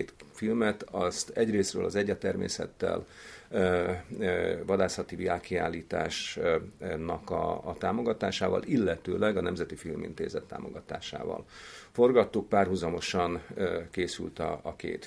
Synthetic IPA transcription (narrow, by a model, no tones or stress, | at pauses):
t̪filmɛt̪ɒst̪ɛɟreːsrøːlʔɒzɛɟːɒt̪ɛrmḛːsɛ̰t̪ːɛ̰l | vɒd̪aːsɒt̪iviaːkia̰ːlːiːt̪a̰ːʃ | nɒkɒːt̪aːmo̞ɡɒt̪aːʃaːvɒ̰lilːɛt̪øːlɛɡɒnɛmzɛt̪ifilmḭnt̪ḛːzɛt̪ːa̰ːmo̞̰ɡɒt̪a̰ːʃa̰ːvɒ̰lfo̞rɡɒt̪ːuk̚paːrɦuzɒmo̞ʃɒnkeːsylt̪ɒ̰ːkḛːt̪